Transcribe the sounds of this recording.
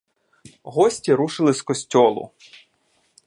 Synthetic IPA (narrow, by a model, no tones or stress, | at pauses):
ɦɔsʲtʲiɾuʃɪlˠɪskɔsʲtʲɔlˠʊ̰